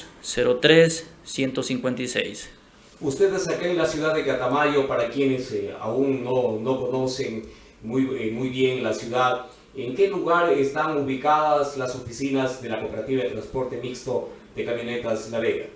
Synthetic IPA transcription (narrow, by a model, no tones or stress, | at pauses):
seɾot̪ɾesːje̞nt̪osiŋkwent̪aijsḛjs | ust̪eðesakenlasjuðaðeɣat̪amaʝo̞paɾakjenesa̰uŋːono̞ko̞no̞se̞ŋ | ujmujβje̞ŋlasjuðað | eŋke̞luɣaɾest̪aŋuβikaðaslaso̞fisinazðe̞lako̞pe̞ɾat̪iβaðet̪ɾanspo̞ɾt̪e̞mikst̪o̞ðe̞kamjo̞net̪aslaβeɣa̰